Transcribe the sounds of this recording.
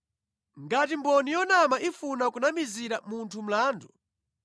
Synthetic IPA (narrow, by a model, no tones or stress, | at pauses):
ŋɡatimbɔnijɔnamaʔifunakunamiziɾamuntʰum̩laːndu